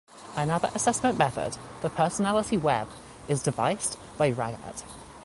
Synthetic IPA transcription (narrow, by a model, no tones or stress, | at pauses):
ʔənʌðə̰ɹʔəsɛsmə̃nmɛθə̰dðəpʰɜˑsənalətiwɛb̥ | ɪzdɪva̰ɪs | b̥aɪɹa̰ɡə̰t